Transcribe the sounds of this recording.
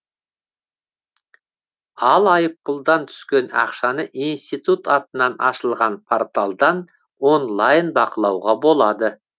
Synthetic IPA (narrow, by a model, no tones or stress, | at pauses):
ɑlˠɑjəp̚ːʊlˠd̪ɑnt̪ʰʏ̥skʲe̞nɑ̰qʃɑnəʔinst̪ijt̪ut̪ɑt̪ənɑnɑ̰ʃəlˠʁɑnpʰort̪alˠd̪ɑn | wo̞nlˠɑjənbɑqəlˠɑwʁɑbo̞lˠɑd̪ə